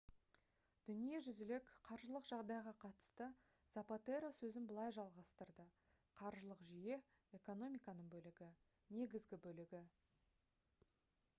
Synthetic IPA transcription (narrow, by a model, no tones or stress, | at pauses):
d̪̥ʏnije̞ʒʏzɪlekqʰɑɾʒəlˠəqʒɑʁd̪ɑjʁɑqʰɑt̪ə̥st̪ə | z̥apot̪eɾosɵzɪnbəlˠɑjʒɑlˠʁɑst̪əɾd̪ə | qʰɑɾʒəlˠəqʒije̞ | eko̞no̞mʲijkɑnəɴbɵlɪɡʲɪ | ne̞ɡʲɪzɡʲɪbɵlɪɡʲɪ